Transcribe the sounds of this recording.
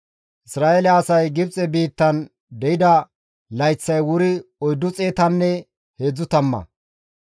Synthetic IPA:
ʔɪsɾaːelɛɐsɐjɡɪb̚t͡sʼɛbiːt̪ːɐn | d̪ɛjɪd̪ɐ | lɐjt͡sːɐjwʊɾɪɔjd̪ːʊt͡sʼeːt̪ɐnːɛ | he̞ːd͡zːʊt̪ɐmːɐ̰

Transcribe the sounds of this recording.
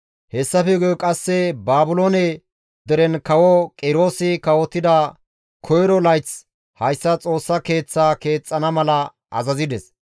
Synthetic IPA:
hɛsːɐfɛɡkʼɐsːɛbaːbʊloːnɛ | d̪ɛɾɛnkɐwɔkʼɪɾo̞ːsɪkɐwɔt̪ːɪd̪ɐ | kʰɔjɾɔlɐjt͡s | hɐjsːɐt͡sʼo̞ːsːɐke̞ːt͡sːaːke̞ːt͡sʼːɐnɐmɐlɐ | ʔɐ̰zɐzɪd̪ɛs

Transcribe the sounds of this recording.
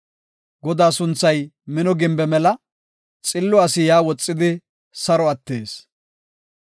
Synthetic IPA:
ɡɔd̪aːsʊnt͡sːɐjmɪnɔɡɪmbɛmɛlɐ | t͡sʼɪlːɔɐsɪjaːwɔt͡sʼːɪd̪ɪ | sɐɾɔɐt̪ːe̞ːs

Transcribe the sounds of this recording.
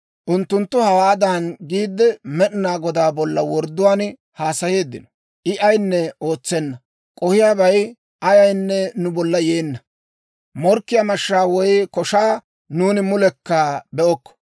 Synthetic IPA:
ʔʊnt̪ːʊnt̪ːʊhɐwaːd̪anɡiːd̪ːɛmɛɗɪnaːɡɔd̪aːbɔlːɐwɔɾd̪ʊwaːn | haːsɐje̞ːd̪ːɪ̰nɔ̥ | ʔɪʔɐjnːɛo̞ːt͡sːɛnːɐ | kʼɔhɪjaːbɐj | ʔɐjɐjnːɛnʊbɔlːɐjeːnːɐ | mɔɾkːɪjamɐʃːaːwɔjkɔʃaː | nuːnɪmʊlɛkːaːbɛʔɔkːɔ̥

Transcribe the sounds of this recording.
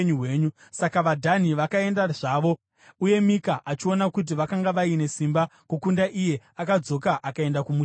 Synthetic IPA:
ɲueːɲusakaʋadʱaniʋakae̞ndaʐaːʋo | uje̞mikaʔat͡ʃio̞nakut̬iʋakaŋɡaʋaine̞simbakukundaʔije̞akad͡zo̞kaʔakae̞ndakumuː

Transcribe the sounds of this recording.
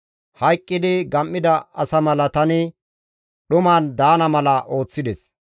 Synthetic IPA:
hɐjkʼːɪd̪ɪɡɐmːɪd̪ɐɐsɐmɐlɐt̪ɐnɪ | ɗʊmaːnd̪aːnɐmɐlɐʔo̞ːt͡sːɪd̪ɛs

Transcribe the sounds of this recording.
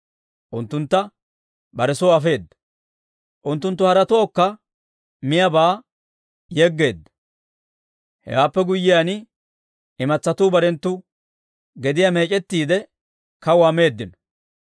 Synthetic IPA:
ʔʊnt̪ːʊnt̪ːɐ | bɐɾɛsɔɐfe̞ːd̪ːɐ̥ | ʔʊnt̪ːʊnt̪ːʊhɐɾɐt̪ɔɔkːɐ | mɪjɐbaː | jɛɡːe̞ːd̪ːɐ̥ | hɛ̰waːpːɛɡʊjːɪjaːnɪ | ɪmɐt͡sːɐt̪uːbɐɾɛnt̪ːʊ | ɡɛd̪ɪjame̞ːt͡ʃʼɛt̪ːiːd̪ɛ | kɐwame̞ːd̪ːɪnɔ

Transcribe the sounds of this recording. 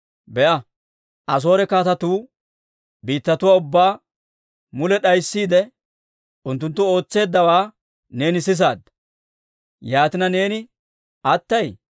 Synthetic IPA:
bɛʔɐ | ʔɐs̬o̞ːɾɛkaːt̪ɐt̪uː | biːt̪ːɐt̪ʊwaːʊbːaː | mʊlɛɗɐjsːiːd̪ɛ | ʔʊnt̪ːʊnt̪ːʊo̞ːt͡sːe̞ːd̪ːɐwaː | ne̞ːnɪsɪs̬aːd̪ːɐ | jaːt̪ɪnɐne̞ːnɪ | ʔɐt̪ːɐj

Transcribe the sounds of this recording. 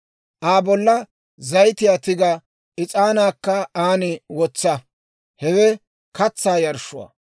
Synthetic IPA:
ʔaːbɔlːɐ | zɐjt̪ɪjaːt̪ɪɡɐ | ʔɪt͡sʼaːnaːkːɐaːnɪwɔt͡sːɐ | hɛwɛ | kɐt͡sːaːjɐɾʃʊwa̰ː

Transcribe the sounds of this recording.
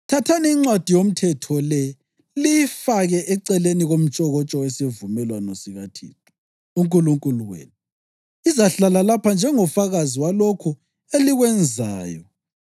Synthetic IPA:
tʰatʰanɛiŋ͡ǀwad̥ʱijom̩tʰɛtʰɔlɛ | lifaɣɛʔɛǀɛleniɣom̩t͡ʃʼɔɣɔt͡ʃʼɔwɛsevumɛlwanosiɣatʰḭːtʰʼu̥ | uŋkʼuluŋkʼuluwḛːnu | izaɬalalapʰand͡ʒʱɛŋɔfaɣaziwalokʰu | eliɣwɛnd͡zʱaːjɔ

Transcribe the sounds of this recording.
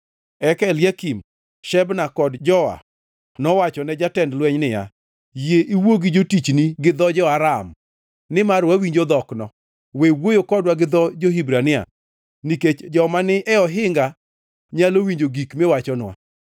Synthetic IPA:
ɛkɛljakim | ʃɛbnakɔdd͡ʒɔa̰ | nɔwat͡ʃɔnɛd͡ʒatɛndlwɛɲnɪja̰ | jeʔiwoɡid͡ʒotit͡ʃniɡɪd̪ɔd͡ʒɔaɾam | nɪmaɾwawiɲd͡ʒod̪ɔknɔ | wewojokɔdwaɡɪd̪ɔd͡ʒoɦibɾanɪa̰ | niket͡ʃd͡ʒɔmanɪʔɛɔɦɪŋɡa | ɲalowiɲd͡ʒoɡikmewat͡ʃɔnwa̰

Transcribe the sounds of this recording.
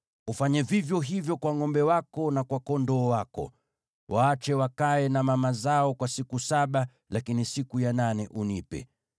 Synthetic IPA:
ufaɲɛvivjɔɦivjɔkwaŋɔmbɛwakɔnakwakɔndɔːwakɔ̰ | wʔaːt͡ʃɛwakaɛnamamazaɔkwasikusaɓa | lakinisikujananɛʔunipɛ̰

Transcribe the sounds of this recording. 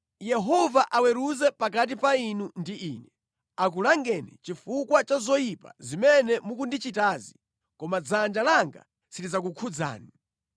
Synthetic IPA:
jɛɦɔvaʔawɛɾuzɛpak̬at̬ipainundiʔiːnɛ | ak̬ulaŋɡɛnɛ̰t͡ʃifukwat͡ʃazɔjipa̰zimɛnɛmukundit͡ʃitaːzi | kɔmad͡zand͡ʒalaŋɡa̰ | siɾizak̬ukʰud͡za̰ːni

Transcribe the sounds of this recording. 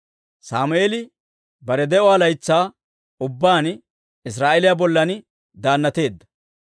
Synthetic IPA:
saːmʊeːlɪ | bɐɾɛd̪ɛʔʊaːlɐjt͡sːaː | ʊbːaːn | ɪs̬ɾaːʔɛlɪjabɔlːɐn | d̪aːnːɐt̪e̞ːd̪ːɐ̥

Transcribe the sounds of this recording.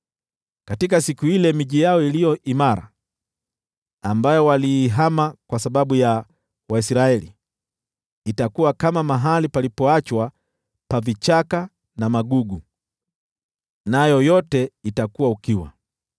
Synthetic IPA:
katikasikuilɛmiʄijaɔilijɔʔimaɾa̰ | mbajɔwaliːɦamakwasaɓaɓuja | waisɾaɛlḭ | takuwakamamaɦalipalipɔat͡ʃwa | pavit͡ʃaka | namaɡuɡu | najɔjɔtɛitakuwaukiwa̰

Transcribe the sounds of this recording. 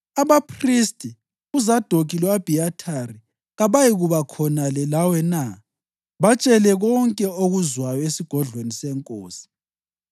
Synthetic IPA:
aβapʰristʼi | uzad̥ʱokʼilwab̥ʱiatʰari | ɣaβajiɣuβakʰɔnalɛlawɛna | βat͡ʃʼɛlɛɣɔŋkʼɛoɣuzwajɔesiɡ̥ʱɔɮwenisɛŋkʼo̰ːsi̥

